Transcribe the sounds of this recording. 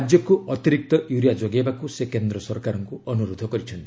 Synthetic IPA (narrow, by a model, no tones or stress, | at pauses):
d͡ʒjɔkuʔɔt̪iɾik̚t̪ɔʔjuɾijad͡ʒoɡebakusekend̪ɾɔsɔɾkaɾɔŋkuɔnuɾud̪ʱːɔkɔɾit͡ʃʰɔnt̪i̥